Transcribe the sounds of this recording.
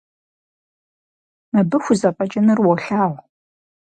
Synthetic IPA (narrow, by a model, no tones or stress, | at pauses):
mɐbɨxʷʊzɐpʼɐt͡ʃʼɐnɨrwɔɬaːʁʷ